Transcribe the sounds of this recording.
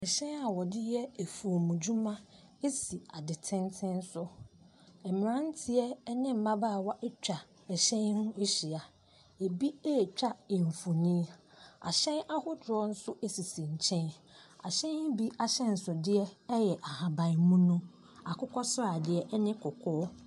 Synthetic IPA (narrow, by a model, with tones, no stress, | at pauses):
ɛ˨ɕɛ̃˦na˨wɔ˨dɪ˦jɛ˦e˨fu˨o˨mũ˨d͡ʑu˦mã˦ | e˦si˨a˨dɪ˨tʰɪ̃˦ntʰɪ̃˦n̩˦sʊ˦ | ɛ˨mɪ̃˨ɾã˦n̩˦tʰɪ˦ɛ˦nɪ̃˦m̩˨˦mã˦baː˦˨wɔ˦ʔɛ˦t͡ɕᶣa˨ | ɛ˨ɕɛ̃˦n˦hʊ̃˦e˦ɕi˨a˨ | e˨bi˦e˦˨t͡ɕᶣa˦e˨ɱ˨fu˨nĩ˦ | a̰˨ɕɛ̃˦na˦hʊ˦dɔ˦n̩˦sʊ˦ʔe˦si˨sĩ˨ɲ̩˨t͡ɕʰɛ̃˦na˨ɕɛ̃˦n˦bi˦a˨ɕɛ̃˦n̩˨sʊ˨dɪ˦ɛ˦jɛ˨ʔa˨ha˨bã˨mũ˦nʊ̃˦ | a˨kʰʊ˦kʰɔ˦sʊ˦a˨dɪ˨ɛ˦ʔɛ˦nɪ̃˦kʰʊ˨kʰɔː˦